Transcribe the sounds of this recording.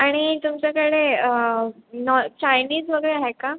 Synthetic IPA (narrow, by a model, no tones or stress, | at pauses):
aɽ̃it̪umt͡ɕjakəɭeənɔt͡ɕajniːd͡zʋəɡəɭeaɦeka